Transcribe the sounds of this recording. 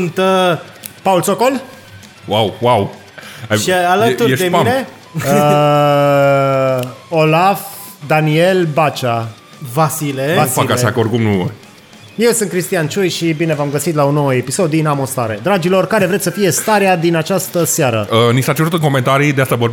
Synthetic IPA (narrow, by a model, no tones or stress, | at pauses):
nt̪ə | paulsoko̞l | wawwaw | aalət̪ueʃd̪eine | ə | o̞laf | d̪anie̞lbat͡ʃa | vasilevasfakaʃakəorkumnu | je̞wsɨn̚kɾist̪ijant͡ʃujʃibine̞vamɡəsit̪laono̞wəe̞piso̞d̪ːinamost̪aɾe̞d̪ɾad͡ʒilo̞rkaɾevɾet̪səfije̞st̪aɾead̪inat͡ʃast̪əsaɾə̰ənisat͡ʃeɾut̪ɨnŋko̞me̞nt̪aɾid̪east̪abob